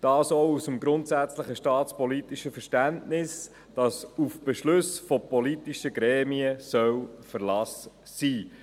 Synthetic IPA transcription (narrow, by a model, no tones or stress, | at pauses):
d̥ɑːsowusəmɡɾʊntsæt͡sləχəʃtɑːtspɔlitiʃəfəɾʃtæntnɪs | d̥ɑsufb̥ɛʃlʉsfɔpɔlitiʃəɡɾɛːmiəsœwfəɾlɑs | siː